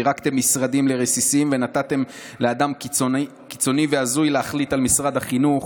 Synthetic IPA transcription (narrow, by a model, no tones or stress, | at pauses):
iʁakt̪e̞mːisʁad̪imle̞ʁesisimve̞nat̪at̪e̞m | lead̪amko | ki̥t͡so̞niveazujleaχlit̪almisʁad̪haχinuχ